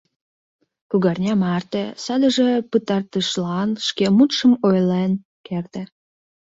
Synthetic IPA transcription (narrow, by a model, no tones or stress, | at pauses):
puɣɑrnʲɑmɑrt̪esɑd̪əʒepət̪ɑrt̪əʃlɑnʃkemut̪ʃəmojlen | kert̪e